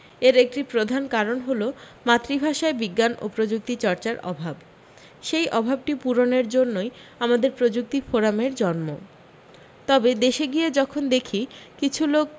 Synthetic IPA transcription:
eɾek̚ʈipɾod̪ʱankaɾonɦolo | mat̪ːɾibʱaʃaebiɡːano̰pɾod͡ʑuk̚t̪it͡ɕɔɾt͡ɕaɾɔ̰bʱab | ʃejʔɔbʱab̚ʈipuɾoneɾd͡ʑonːojamad̪eɾpɾod͡ʑuk̚t̪ifoɾameɾd͡ʑɔnmo | t̪ɔbed̪eʃeɡied͡ʑɔkʰond̪ekʰikit͡ɕʰulok̚

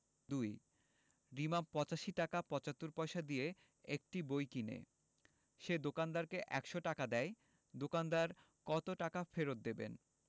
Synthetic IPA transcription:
d̪uj | ɾimapɔt͡ɕaʃiʈakapɔt͡ɕat̪ːoɾpɔjʃad̪ije | ek̚ʈibojkinḛ | ʃed̪okand̪aɾkeʔɛkʃoʈakad̪ɛj | d̪okand̪aɾ | kɔt̪oʈakafeɾot̪̚d̪ebḛn

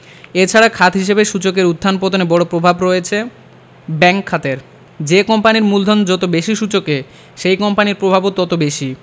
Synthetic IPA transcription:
et͡ɕʰaɾakʰat̪ɦiʃ̬ebeʃut͡ɕokeɾud̪ʱːanpod̪ʱonebɔɽopɾobʱabɾojet͡ɕʰe | bɛŋkʰːat̪eɾ | d͡ʑekɔmpaniɾmuld̪ʱond͡ʑɔt̪obeʃiʃut͡ɕoke | ʃejkɔmpaniɾpɾobʱabot̪ɔt̪obeʃi

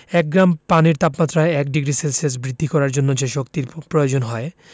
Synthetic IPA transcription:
ɛk̚ɡɾampaniɾt̪apmat̪ːɾaeɛk̚ɖiɡɾiselses̬bɾid̪ʱːikɔɾaɾd͡ʑonːod͡ʑeʃokt̪iɾpɾojod͡ʑonɦɔe

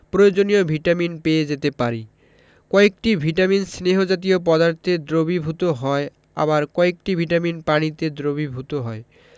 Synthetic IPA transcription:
pɾojod͡ʑoniobʱiʈaminpeed͡ʑet̪epaɾi | kɔek̚ʈibʱiʈaminsneɦod͡ʑat̪̬iop̬ɔd̪aɾt̪ʰed̪ɾobibʱut̪oɦɔe | a̰baɾkɔek̚ʈibʱiʈaminpanit̪ed̪ɾobibʱut̪oɦɔe

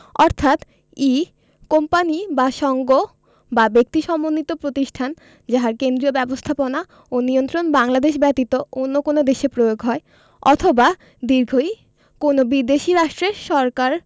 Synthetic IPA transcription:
ɔɾt̪ʰat̪ | i | kompanibaʃɔŋɡo | babek̚t̪iʃɔmonːit̪opɾot̪iʃʈʰan | d͡ʑaɦaɾkend̪ɾiobɛbost̪ʰapona | onijont̪ɾonbaŋlad̪eʃ̬bɛt̪it̪oonːokonod̪eʃepɾojoɡɦɔe | ɔt̪ʰoba | d̪iɾɡʱoj | konobid̪eʃiɾaʃʈɾeɾʃɔɾkaɾ

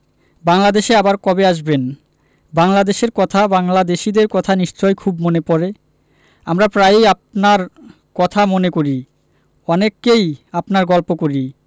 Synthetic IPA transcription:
baŋlad̪eʃeabaɾkɔbeaʃben | baŋlad̪eʃeɾkɔt̪ʰabaŋlad̪eʃid̪eɾkɔt̪ʰaniʃt͡ɕɔekʰubmonepɔɾe | amɾapɾajap̚naɾ | kɔt̪ʰamonekoɾi | ɔnekːejapnaɾɡɔlpokoɾi

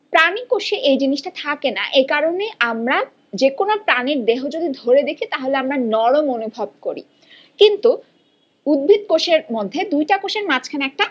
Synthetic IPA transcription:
pɾanikoʃeʔejd͡ʑiniʃʈat̪ʰakena̰ʔekaɾoneʔamɾa | d͡ʑekonopɾaniɾd̪eɦod͡ʑod̪id̪ʱoɾed̪ekʰit̪aɦoleamɾanɔɾomonubʱob̚koɾḭ | kint̪u | ud̪̚bʱit̪koʃeɾmod̪ʱːed̪ujʈakoʃeɾmat͡ɕʰkʰaneɛk̚ʈa

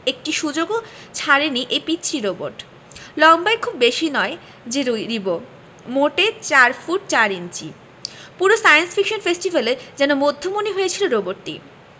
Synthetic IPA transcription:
ek̚ʈiʃud͡ʑoɡo | t͡ɕʰaɾeniʔejpitːɕʰiɾobo̰ɾʈ | lɔmbaekʰubːeʃinɔe | d͡ʑeɾuɾibo | moʈet͡ɕaɾfuʈ̚t͡ɕaɾint͡ɕḭ | puɾosajensfʰikʃonfesʈibaleɾd͡ʑɛnomod̪ʱːomoniɦojet͡ɕʰiloɾoboɾt̪ḭ

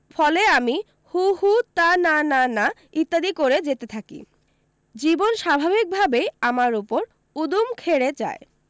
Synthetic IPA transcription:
fɔleami | huhut̪ananana | it̪ːad̪ikoɾed͡ʑet̪et̪ʰakḭ | d͡ʑibonʃabʱabik̚bʱabeamaɾupoɾ | ud̪umkʰeɾet͡ɕa̰e

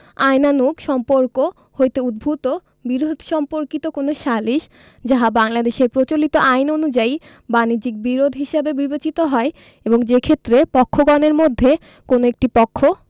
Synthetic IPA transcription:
ajnanukʃɔmpoɾko | hojt̪eud̪̚bʱut̪o | biɾod̪ʱʃɔmpoɾkit̪okonoʃaliʃ | d͡ʑaɦabaŋlad̪eʃeɾpɾot͡ɕolit̪oʔajnonud͡ʑai | banid͡ʑik̚biɾod̪ʱɦiʃabebibet͡ɕit̪oɦɔe | eboŋd͡ʑekʰet̪ːɾepɔkʰːoɡɔneɾmod̪ʱːe | konoek̚ʈipɔkʰːo

